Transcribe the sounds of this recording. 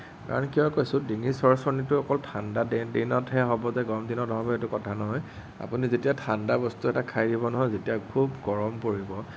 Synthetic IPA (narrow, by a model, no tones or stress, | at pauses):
ka̰ɹɔnkiɔkojsʊ̃diŋisɔɹsɔnitʊɔkɔltʰandadinɔtɦɛɦɔbɔzɛɡɔɔmdinɔtɔɦɔbɔetʊkɔtʰanɔɦɔj | a̰punizetijatʰandabɔstuɛtakʰajdibɔnɔɦɔjzetiakʰubɡɔɹɔmpoɹibɔ